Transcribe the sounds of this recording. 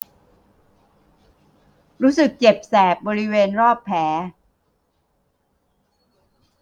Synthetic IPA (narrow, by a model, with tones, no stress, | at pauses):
ɾuː˦˥sɯ˨˩k̚t͡ɕe˨˩p̚sɛː˨˩p̚bɔː˧ɾi˦˥weː˧nɾɔː˥˩pʰːɛː˩˦